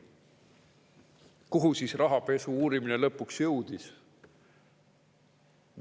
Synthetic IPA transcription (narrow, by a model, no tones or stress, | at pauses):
kuɦusiːsrɑɦɑpe̞suuːɾimine̞lɤpːˑuksjɤwd̪̥is